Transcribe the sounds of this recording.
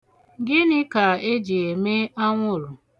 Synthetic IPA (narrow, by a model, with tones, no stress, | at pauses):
ɡɪ˦nɪ˦ka˨e˦d͡ʒe˨e˨me˦a˦ŋʷʊ˦˨ɾʊ˨